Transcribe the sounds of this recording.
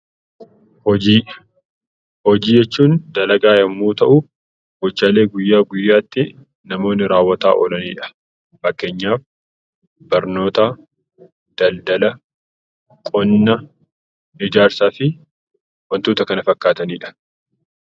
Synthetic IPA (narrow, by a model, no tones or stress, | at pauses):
hɔd͡ʒiː | hɔd͡ʒiːd͡ʒɛt͡ʃːuːnd̪ɐlɐɡaːjɐmːuːt̪ɐʔʊ | bɔt͡ʃːaːle̞ːɡʊjːaːɡʊjːaːt̪ːɪ | nɐmo̞ːnːɪɾaːwːɐt̪a̰ːʔɔ̰lɐniːᶑɐ̥ | fɐkːe̞ːɲːaːf | bɐɾno̞ːt̪a | d̪̥ɐld̪ɐlɐ | kʼɔnːɐ | nɪd͡ʒaːɾsaːfɪ | wɐnt̪oːt̪ɐkɐnɐfɐkːaːt̪ɐniːᶑɐ̥